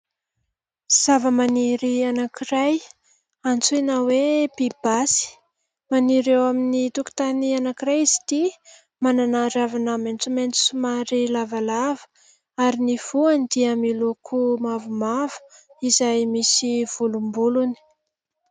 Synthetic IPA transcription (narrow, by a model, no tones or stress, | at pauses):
z̥avəmaniɾianakiɾaj | ant͡suinawebib̥asi̥ | maniɾewaminit̪uku̥t̪anianakiɾajizi̥t̪i | mananaɾavanament͡sument͡su̥sumaɾilavalavə̥ | aɾiniv̥uand̪iamilukʰumavumavə̥ | izajmisiv̥ulumbuluni̥